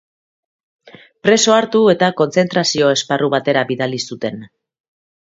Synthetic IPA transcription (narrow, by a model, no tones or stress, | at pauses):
pɾe̞so̞aɾt̪ue̞t̪ako̞nt͡se̞nt̪ɾasio̞e̞sparuβ̞at̪e̞ɾaβiðalisut̪e̞n